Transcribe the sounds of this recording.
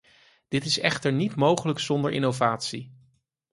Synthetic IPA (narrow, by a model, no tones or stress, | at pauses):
d̥ɪtɪsɛχtəɹnitmowχələksɔndəɹʔɪ̰nowvaːtsi